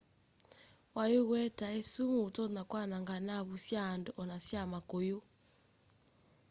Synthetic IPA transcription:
wajuɣwɛtaesumutɔnakwanaŋɡanaβusjandɔʔɔnasjamakojo

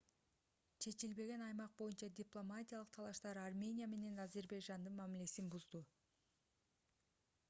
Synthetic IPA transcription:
t͡ʃʰe̞t͡ʃilbe̞ɡe̞nɑjmɑq̚bo̞junt͡ʃɑdʲiplˠo̞matʲijalˠɯq̚t̪ʰɑlˠɑʃt̪ɑɾarmʲe̞nʲijame̞ne̞nazʲe̞rbajʒand̪ɯnmæmile̞sinbuzd̪u

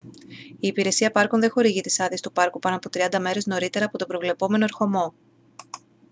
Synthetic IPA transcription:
iːpiɾe̞siɐpɐɾkonðe̞xo̞ɾiʝit̪i̥sɐðist̪upɐɾkupɐno̞ɐpo̞t̪ɾiɐnd̪ɐme̞ɾe̞zno̞ɾit̪e̞ɾɐːpo̞t̪obɾo̞vle̞po̞me̞no̞eɾxo̞mo̞

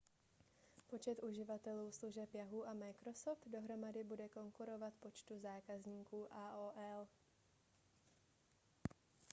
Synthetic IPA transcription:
po̞t͡ʃɛt̪ʔuʒɪvat̪ɛluːsluʒɛpjaɦuːʔamajkɾo̞soft̪do̞ɦɾo̞madɪbudɛko̞ŋkuɾo̞vat̪po̞t͡ʃt̪uzaːkazɲiːkuːʔaːʔoːʔɛl

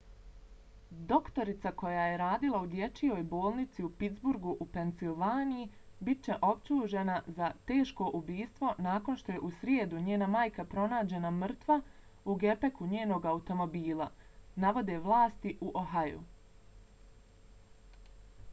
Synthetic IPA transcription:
d̪o̞kt̪o̞ɾit̪sako̞jaje̞ɾaːd̪ilˠaud̪je̞t͡ʃijo̞ːjbo̞ːlˠnit̪siupit̪zbuɾɡuʔupe̞nsilˠʋaːniji | bit͡ɕe̞ʔo̞pt͡ɕuːʒe̞nazat̪e̞ːʃko̞ʔubiːst̪ʋo̞naːko̞nʃt̪o̞je̞ʔusɾjeːd̪uɲeːnamaːjkapɾo̞naːd͡ʑe̞namr̩t̪ʋa | uɡe̞pe̞kuɲe̞ːno̞ːɡaut̪o̞mo̞biːlˠanaʋo̞d̪e̞ʋlˠaːst̪iʔuʔoɦajṵ

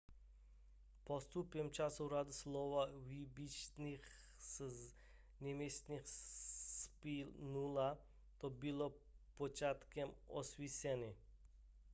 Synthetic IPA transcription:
pɔst̪upjɛmt͡ʃasɔɾad̪uslɔʋavibit͡ʃnix | nɛmesnixspilnula | t̪obilɔ | pɔt͡ʃat̪kɛmɔ̰sʋisɛni

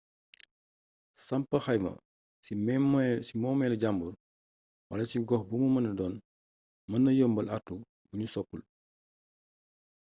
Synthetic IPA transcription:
sɐmpɐxɐjmɐ̰ | simɔːmɛlɐɟambul | wɐ̰lɐsiɡɔxbumumɐnɐdɔːn | mɐnːɐjoːmbɐlʔatːu | buɲusɔkːul

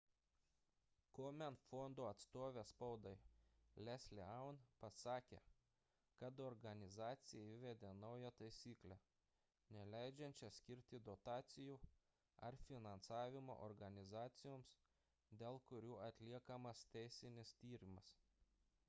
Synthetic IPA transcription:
koːmʲɛnfɔnd̪oːɐt̪st̪oːʋʲeːspɒʊd̪ɐɪlʲɛsʲlʲɪɐʊnpɐsɑːkʲḛː | kɐt̪ɔɾɡɐnʲɪzɑːt̪sʲɪjɛiʋʲɛd̪ʲeːnɒʊjɛt̪ɐɪsʲiːklʲæ | nʲɛlʲɛɪd͡ʒʲɛnʲt͡ʃʲɛsʲkʲɪɾʲt̪ʲɪd̪ɔt̪ɑːt̪sʲɪjuː | ɐ̰ɾfʲɪnɐnsɑːʋʲɪmo̰ʔɔɾɡɐnʲɪzɑːt̪sʲɪjoːms | d̪ʲeːlˠkʊɾʲuːɐt̪ʲlʲiɛkɐmɐst̪ʲɛɪsʲɪnʲɪst̪ʲiːɾʲɪmɐs

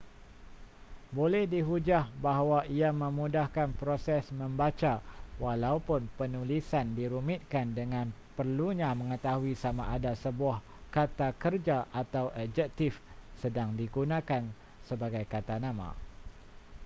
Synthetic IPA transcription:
bolɛhdiɦud͡ʒahbaɦwaiamə̃mudahkanpɾosɛsmə̃mbat͡ʃawalaupʊnpənulisandiɾumɪt̪̚kandəŋãnpərluɲãmə̃ŋət̪aɦuisamaʔadasəbuah | kat̪akərd͡ʒaʔat̪awʔad͡ʒɛk̚t̪ɪfsədaŋdiɡunãkan | səbaɡajkat̪anãmã̰

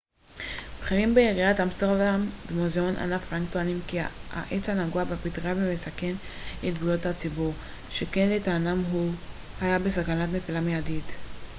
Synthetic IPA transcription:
bχiʁimbeeʁiat̪amst̪eʁdambemozeo̞nʔa̰nafʁaŋkt̪oanimkia̰ʔet͡shanaɡuabapit̪ʁabimesake̞n | et̪bujothat͡sibuʁ | ʃekenletaːnamɦu | hajabesakanatne̞filameadit

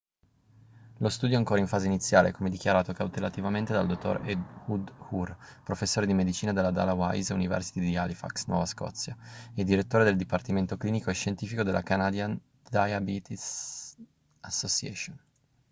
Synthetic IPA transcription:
lost̪uːd̪joaŋkoːɾaiɱfaːzeinit̪sːjaːlḛkʰomed̪ikʲjaɾaːt̪okawt̪elat̪ivament̪ed̪a̰ld̪ot̪ːo̰ɾed̪ud̪hurpɾofesːoːɾed̪imed̪it͡ʃiːnad̪elad̪a̰lawa̰jzunivɛ̰rsi̥t̪id̪ialifa̰ksnwɔ̰vaskɔ̰t̪sːjaed̪ːiɾet̪ːoːɾed̪eld̪ipart̪iment̪okliːnikoeʃːent̪iːfikod̪elʔa̰kanad̪jan | d̪ajabit̪is | asːosiɛ̰ʃon

